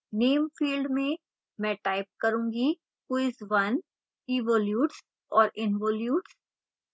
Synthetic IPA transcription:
neːmfiːlɖmẽ | mɛ̃ːʈaːɪp̚kɐɾũːŋɡi | kuɪsʋɐn | iʋoːljuːʈs | ɔːɾɪnʋoːljuːʈs

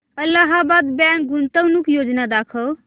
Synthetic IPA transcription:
əlːaɦabad̪baŋk̚ɡunt̪əwnukjod͡ʒnad̪akʰə

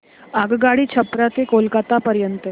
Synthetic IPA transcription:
aɡɡaɽit͡ʃʰəpɾat̪ekolkat̪apəɾjənt̪ə

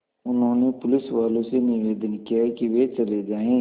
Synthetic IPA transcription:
ʊnɦõːnepʊlɪsʋaːlõsenɪʋeːd̪ənkijaɦɛkiʋet͡ʃɐled͡ʒaːẽː

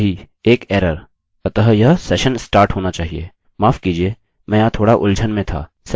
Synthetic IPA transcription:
ɦi | eːkɛːɾəɾ | t̪ɐt̪əɦjɐɦsɛːʃənsʈaːɾʈɦoːnat͡ʃaːɦiḛː | maːfkiːd͡ʒie | mɛ̃ːaːt̪ʰoːɽaʔʊld͡ʒʱənmẽt̪ʰa̰ː | s

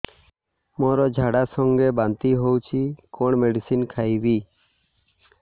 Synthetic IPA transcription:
mɔɾɔd͡ʒʱaɽasɔŋɡebant̪iɦowt͡ʃʰikɔɳmeɖisinkʰajbi

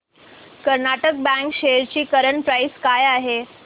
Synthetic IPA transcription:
kəɾnaʈək̚bæ̃ŋkɕejəɾt͡ɕiːkəɾəɳpɾaiskajaɦe

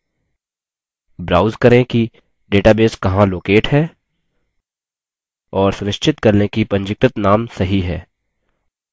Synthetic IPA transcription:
bɾaːʊzkɐɾẽki | ɖeːʈaːbeːskɐɦãloːkeːʈɦɛː | ɔːɾsʊɾɪʃt͡ʃʰɪt̪kɐɾnekipɐ̃ɲd͡ʒɪk̚ʈɪt̪naːmsɐɦiɦɛː

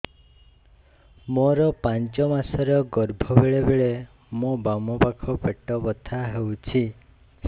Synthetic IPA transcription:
moɾɔpant͡ʃɔmasɔɾɔɡɔɾbʱɔbeɭebeɭe | mobamɔpakʰɔpeʈɔbɔt̪ʰaɦewt͡ʃʰi

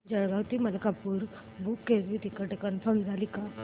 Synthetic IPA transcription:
d͡ʒəɽɡawt̪iməlkapuːɾ | bukːeɾʋit̪ikəʈekənfəɾmd͡zalika

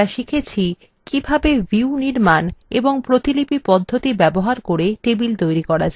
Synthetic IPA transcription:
aʃikʰet͡ɕʰi | kibʱabeviuniɾmaneboŋpɾot̪ilipipɔd̪ʱːot̪ibɛboɦaɾkoɾeʈ̪ebilt̪ojɾikɔɾad͡ʑa

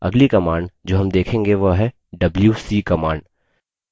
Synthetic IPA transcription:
ɐ̰ɡlikɐmaːɳɖd͡ʒoːɦɐmd̪eːkʰẽːŋɡeʋoɦɛ | ɖɐbljuːsiːkɐmaːɳɖ

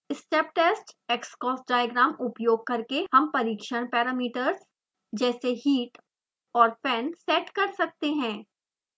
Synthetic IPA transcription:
ɪsʈeːp̚ʈeːsʈekskɔːsɖaːjəɡɾaːmʊpjoːɡ̚kɐɾkehɐmpɐɾiːkʃəɽ̃pɛːɾaːmiːʈəɾz | d͡ʒɛːseɦiːʈ | ɔːɾfʰɛːnsɛːʈkɐɾsɐk̚t̪eɦɛ̃ː

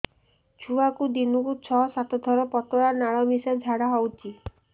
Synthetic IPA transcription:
t͡ʃʰuakud̪inukut͡ʃʰɔsat̪ɔd̪ʱɔɾɔpɔt̪ɔɽanaɭɔmisad͡ʒʱaɽaɦɔwt͡ʃʰi

